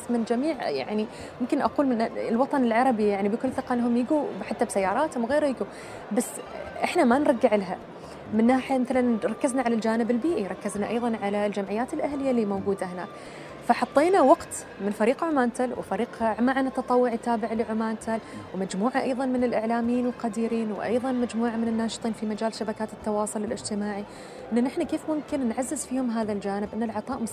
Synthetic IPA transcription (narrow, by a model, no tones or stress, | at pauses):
smɪnd͡ʒamiːʕja̰ʕni | mʊmkɪnʔaquːlmɪnlwɑt̪ˤɑnɪlʕɑɾˤɑbijaʕnibɪkʊlːθɪqɑʔnːɦʊmjɪɡubħat̪ːabsajːɑːɾˤɑːt̪hʊmwɣeːɾhajɪɡu | basːʔɪħnamanɾˤɑɡːɪʕlɦa | mɪnːaːħijamɪθalanɾˤɑkːɪznaʕalald͡ʒaːnɪbɪlbiːʔiɾˤɑkːɪznaʔɑ̰jðˤɑnʕalald͡ʒamʕɪjːaːt̪ɪlʔahlɪjːalimowɡuːd̪ahɪna̰ːk | faħɑt̪ˤːeːnawɑɡt̪ | mɪnfaɾiːqʕʊmaːnt̪alwɪ̰faɾiːqʕmaʕanat̪ːɑt̪ˤɑwːʊʕit̪aːbɪʕlɪʕʊmaːnt̪ʰalwmad͡ʒmuːʕaʔɑjðˤɑnmɪnɪlʔɪʕlaːmjiːnɪlqɑd̪iːɾiːnwʔɑ̰jðˤɑnmad͡ʒmuːʕamɪnɪnːaːʃɨ̥t̪ˤiːnfimad͡ʒaːlʃabakaːt̪ɪ̥t̪ːɑwɑːsˤʊlɪlʔɪd͡ʒt̪ɪmaːʕi | ʔɪnːanɪħnakeːfmʊmkɪnːʕazːɪzfiːhʊmɦaːðald͡ʒaːnɪbʔɪnːalʕɑt̪ˤɑːʔmʊ